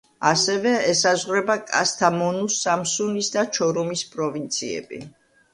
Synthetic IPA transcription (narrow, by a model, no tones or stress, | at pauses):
asɛvɛɛsazʁɾɛbakʼa̰st̪ʰamɔnusamsunisd̪at͡ʃʰɔɾɔmispʼɾɔvint̪sʰiɛ̰bḭ